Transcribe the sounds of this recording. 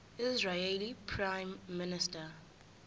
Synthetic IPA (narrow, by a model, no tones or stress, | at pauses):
ɪzɹeelipʰɹãjmːɪnɪstə